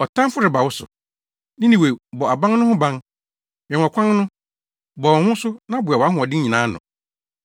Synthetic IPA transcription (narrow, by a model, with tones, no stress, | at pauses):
ɔ˨tʰã˦m˦fʊ˦ɾɪ˨ba˨wʊ˦sʊ̰˨ | nɪ̃˦nĩ˨we˨bɔ˨a˨bã˦ŋnʊ̃˦hʊ̃˦bã˦ŋ | m˨ɛ̃˨ɔ˨kʰã˦nnʊ̃˦ | bɔ˨wɔ̃˨hʊ̃˦sʊ˦nã˦bʊ˨a˨wɔ˨a˦ɦʊ̃˦ɔ˨dɪ˦ɲĩ˨nãː˨˦nʊ̰̃˨